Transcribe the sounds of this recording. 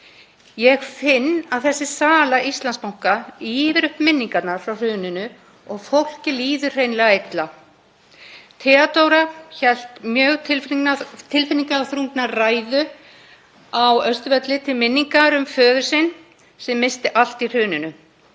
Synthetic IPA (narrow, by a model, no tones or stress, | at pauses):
jɛɣfɪnːaðθɛsːɪsaːlaʔist̪lanspawŋ̥kaiːvɪɾʏhpmɪnːiŋkat̪naɾ̥fɾawr̥ʏːnʏnʏ | ɔɣfowl̥cɪliːðʏ̥r̥ejnlɛɣaejt̪la | t̪ʰɛat̪owɾaçɛl̥t̪mjœːɣt̪ʰɪlt̪ʰɪlfɪnːiŋkaθɾuŋknaraːjðʏ | awœst̪vɛt̪lɪt̪ʰɪlmɪnːiŋkaɾʏmfœːðʏɾsɪn | sɛmːɪst̪ɪʔal̥t̪ir̥ʏːnɪnʏ